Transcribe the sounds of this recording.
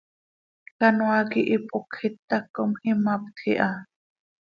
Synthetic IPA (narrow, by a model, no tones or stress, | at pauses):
kanõakiʔipʼokʰit̪ːakːomhimap̚t̪ʰiʔa